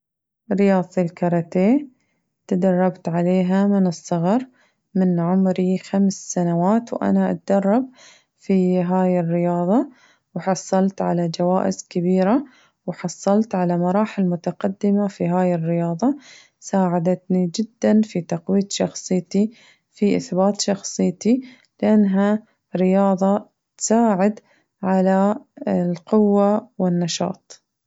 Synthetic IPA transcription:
ɾɪjɑːðˤtilkɑɾˤɑt̪eː | t̪ad̪ɑrˤːɑbt̪ʕaleːɦamɪnɨsˤːɑɣɑɾ | mɪnʕʊmɾixamsːanawaːt̪wʔa̰naʔa̰t̪ad̪ɑrˤːɑb̚ | fiɦaːjɪrːɪjɑːðˤɑ | wħɑsˤːɑlt̪ʕa̰lad͡ʒawaːʔɪzkɪbiːɾa | wħɑsˤːɑlt̪ʕalamɑɾˤɑːħɪlmʊt̪aqɑd̪ːɪmafiɦaːjɪrːɪjɑːðˤɑ | saːʕad̪at̪nid͡ʒɪd̪ːanfit̪ɑqwiːt̪ʃɑxsˤɨjt̪i | fiʔɪθbaːt̪ʃɑxsˤɨjːt̪i | lɪʔanːɦa | ɾɪjɑːðˤɑ | t̪saːʕɪd̪ | ʕalaɪlqʊwːawɪnːɑʃɑ̰ːt̪̚ˤ

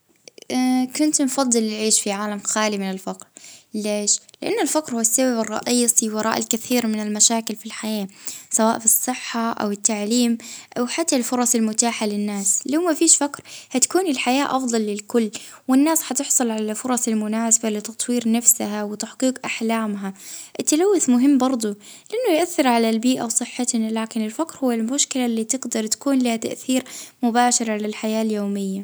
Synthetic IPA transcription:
kʊnt̪nfɑd̪ˤːɨlʕiːʃfiʕaːlamxaːlimɪnɪlfaqɾleːʃlɪʔanːɪlfaqɾhʊwːasːababrˤːɑ̰ʔiːsˤiwɑɾˤɑ̰ːʔɪlkaθiːɾmɪnɪlmaʃaːkɪlfilħajaːsawaːʔfisˤːɨħːaʔa̰wɪt̪ːaʕliːmʔawħat̪ːalfʊɾˤɑsɪlmʊt̪aːħalɪnːaːslawmafiːʃfakɾhat̪ḁkuːnɪlħajaːʔɑfd̪ˤɑlːɪlkʊlː | wɪnːaːsħɑt̪ɪħsˤʊlʕalafʊɾˤɑsɪlmʊnaːsḁbalɪt̪ːɑt̪ˤwiːɾnafsaɦawɪt̪aħqiːqʔaħlaːmɦaʔɪt̪ːalawːɪθmʊɦɪmːbɑɾˤd̪ˤu | lɪʔanːʊjʔaθːɪɾʕalalbiːʔawsˤɨħːat̪nalaːkɪnɪlfakɾhʊwːalmʊʃkɪlaʔlːiːt̪ɪɡd̪ɑɾˤt̪ḁkuːnlahat̪a̰ʔθiːɾmʊbaːʃɪɾʕalalħajaːljoːmɪjːa

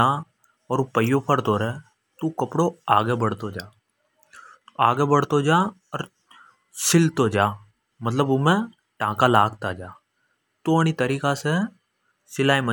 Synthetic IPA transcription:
aː | ɔːɾupəɪjopʰəɾt̪oːɾeː | t̪ukəpɽoaːɡebəɽ̤t̪od͡ʒaː | aːɡebəɽ̤t̪od͡ʒaː | ɔɾ | sɪlt̪od͡ʒaː | mət̪ləbʊmẽ | ʈãːkalaːɡt̪ad͡ʒaː | t̪oñit̪əɾiːkase | sɪlaːimə

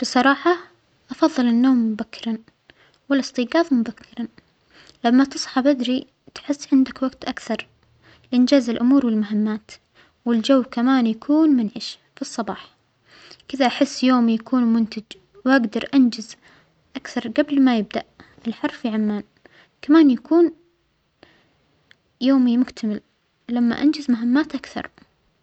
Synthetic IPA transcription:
b̥ɨsˤɑɾˤɑːħɑ | ʔɑfɑðˤːɨlɪnːoːmːʊbakʰːɪɾˤɑn | wɪlɪst̪iːɡɑːðˤmʊbakʰːɪɾˤɑ | lamːat̪ɨsˤħɑbad̪ɾi | t̪ħɪsːʕɪnd̪akwaɡt̪ʔakθɑɾˤ | lɪʔɪnd͡ʒaːzɪlʔʊmuːɾwɪlmʊɦɪmːaːt̪ | wɪld͡ʒawːkamaːnjakʰuːnmʊnʕɪʃ | fisˤːɑbɑːħ | kɪðaʔaħɪsːjoːmijakʰuːnmʊnt̪ad͡ʒ | wʔaɡd̪ɑɾˤʔand͡ʒɪz | ʔakθɑɾˤɡablmajɪb̚d̪a̰ʔ | ɪlħɑɾˤfiʕamːaːn | kamaːnjakʰuːn | joːmimʊkt̪ʰamɪl | lamːa̰ʔand͡ʒɪzmʊɦɪmːaːt̪ʔakθɑ̰ɾˤ

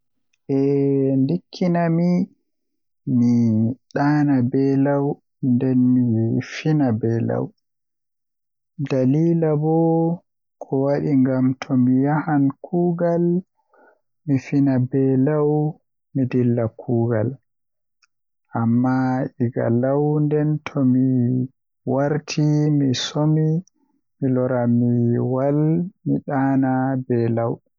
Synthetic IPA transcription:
ʔɛndikʰːinami | miɗaːnabɛlaw | ndɛnmifinabɛla̰w | daliːlabɔ | kʰɔwaɗiŋɡamtʰɔmijahankʰuːɡal | mifinabɛlaw | midilːakʰuːɡa̰l | ʔamːaiɡa̰lawndɛntʰɔmi | waɾtʰimisomi | milɔɾamiwalmiɗaːnabɛlaw

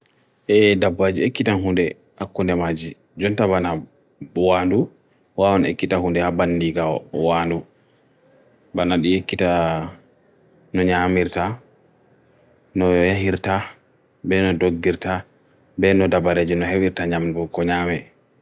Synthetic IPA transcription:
ʔɛdabːad͡ʒiekːitanɦundɛ | hakːundɛmad͡ʒi | d͡ʒɔntaβana | bwandu | wawɔnḛkːitahundɛhabandiɡawɔwaːndu | banaɗiekːita | nɔɲamiɾta | nɔjaɦiɾta | bɛnɔdoɡːiɾta | bɛnɔdabaɾed͡ʒinɔɦewiɾtaɲamdukɔɲamɛ

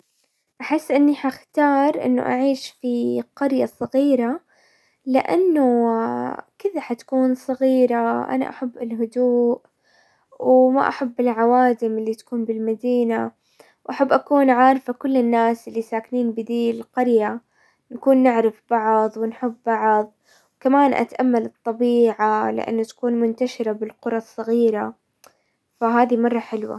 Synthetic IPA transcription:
ʔaħɪsːʔɪnːiħaxt̪ɑːɾˤʔɪ̰nːʊ̰ʔaʕiːʃfiqɑɾjasˤɑɣiːɾa | lɪ̰ʔa̰nːʊ | kɪðaħat̪ḁkuːnsˤɑɣiːɾaʔa̰na̰ʔa̰ħabːɪlɦʊd̪uːʔ | wma̰ʔa̰ħabːɪlʕawaːd̪ɪmʔɪlːit̪ḁkuːnbɪlmad̪iːna | wʔaħabːʔakuːnʕaːɾˤfakʊlːɪnːaːsʔɪlːisaːkniːnbɪd̪iːlqɑɾja | nakuːnːɪʕɾɪfbɑʕðˤwɪnħɪbːɑʕðˤ | wkamaːnʔa̰t̪ʔamːalɨt̪ˤːɑbiːʕalɪ̰ʔa̰nːat̪ḁkuːnmʊnt̪aʃɪɾabɪlqʊɾˤɑsˤːɑɣiːɾa | faɦaːðimɑrˤːɑħɪlwa̰

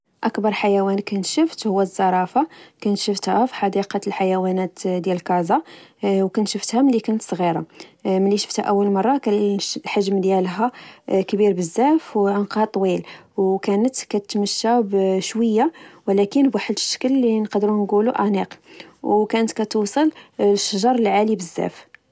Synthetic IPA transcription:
ʔækbɑɾˤħajæwænkænt̪ʃəft̪hʊwːæzːɑɾˤɑfɑkænt̪ʃəft̪hæfi̥ħɑd̪iqɑlħajæwænæt̪d̪jæləlkɑzɑwkænt̪ʃəft̪hæməlːikænət̪sˤɣiɾɑ̰məlːiʃə̥ft̪hæ̰ʔæwːəlmɑrˤːɑkælħaʒmd̪jælɦækbiɾbəzːæfwʕənqhɑt̪ˤwilwkænət̪kæt̪məʃːæbʃwəjːawlækənbwaħəd̪əʃːə̥kəlːinqɑd̪ɾunɡuluʔæniqwkænət̪kæt̪usˤəlʃːɑʒɑɾˤlʕalibəzːæ̰f

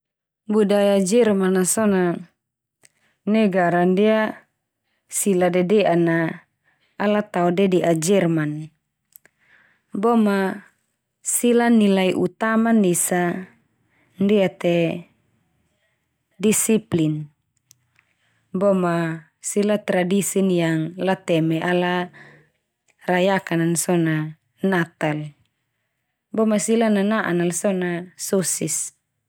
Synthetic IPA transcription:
budajad͡ʒɛrmanasɔna | nɛɡaɾandia | siladɛdɛʔanaː | lat̪aɔdɛdɛʔad͡ʒɛrman | bɔma | silanilaiʔut̪amanisa | ndiat̪ɛ | disiplin | bɔma | silat̪ɾadisinjaŋlat̪ɛmɛʔala | rajakanansɔna | nat̪al | bɔmasilananaʔanalsɔnasɔsis

